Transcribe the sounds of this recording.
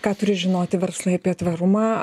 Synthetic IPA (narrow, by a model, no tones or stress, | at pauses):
kɑːt̪ʊɾʲɪʒʲɪnoːt̪ʲɪʋʲɛɾslˠɐɪɐpʲiɛt̪ʋɐɾʊmɑː